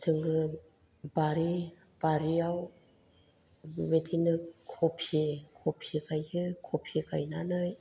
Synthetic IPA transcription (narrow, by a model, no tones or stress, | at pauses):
t͡ʃɯŋɡɯ | baɾi | b̥aɾiaw | metʰinɯkʰɔpʰikʰɔpʰikʰajɯkʰɔpʰikʰajnanɯj